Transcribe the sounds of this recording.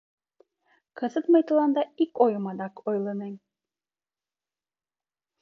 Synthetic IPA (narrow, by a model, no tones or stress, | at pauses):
kɤ̆zət̪mɤ̆jt̪ɤ̆lˠɑnd̪ɑikojmɑd̪ɑkojlˠɤ̆nenʲ